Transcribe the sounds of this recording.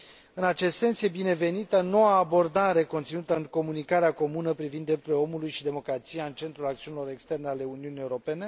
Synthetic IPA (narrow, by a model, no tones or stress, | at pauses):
ɨnat͡ʃe̞st̪se̞nsje̞bine̞ve̞nit̪əno̞waːbo̞rd̪aɾe̞ko̞nt̪sinut̪əɨŋko̞munikaɾeako̞munəpɾivind̪ːɾe̞p̚t̪eleo̞mulujʃid̪e̞mo̞kɾat̪sijaɨnt͡ʃe̞nt̪ɾulakt̪iunilo̞ɾe̞kst̪e̞rneale̞uniunieuɾo̞pe̞ne̞